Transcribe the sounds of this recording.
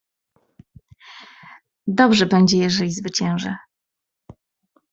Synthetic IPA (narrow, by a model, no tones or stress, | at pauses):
d̪ɔbʐɛbɛɲd͡ʑɛjɛʐɛlʲizvɘt͡ɕɛ̃w̃ʐɛ